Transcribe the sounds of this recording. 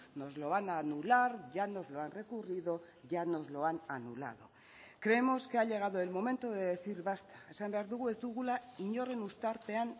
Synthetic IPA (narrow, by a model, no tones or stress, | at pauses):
no̞zlo̞βananulaɾʝano̞zlo̞anre̞kuriðo̞ | ʝano̞zlo̞ananṵla̰ðo̰ | kɾe̞emo̞skeaʎe̞ɣ̞aðoe̞lmo̞me̞nt̪oðe̞ðeθiɾβast̪ḁe̞sambe̞aɾðuɣ̞ue̞zd̪uɣ̞ulaiɲo̞re̞nust̪aɾpe̞an